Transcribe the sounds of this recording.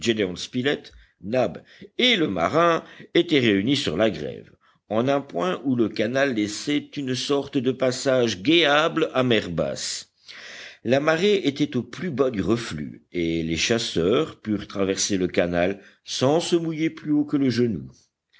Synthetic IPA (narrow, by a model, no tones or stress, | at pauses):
d͡ʒed̪eɔ̃nspilɛt̪ | nab | eləma̰ʁɛ̃et̪ɛʁeynisy̰ʁlaɡʁɛ̰v | ɑ̃nɛ̃pwɛ̃ʔuləkanalːɛsɛt̪ynsɔʁt̪d̪əpasaʒɡeablamɛʁba̰s | lamaʁeʔet̪ɛt̪oplybad̪yʁəfly̰eleʃasœːʁpyʁt̪χavɛʁseləkanal | sɑ̃səmujeplyokələʒənṵ